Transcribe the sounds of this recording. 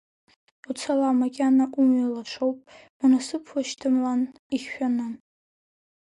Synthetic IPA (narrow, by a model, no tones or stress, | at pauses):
ut͡sʰalamaɡʲanaʔumɥalaʈ͡ʂʷʰowpʼ | anasɨpʰlaʃtʰɨmlan | iχʲᶣanɨ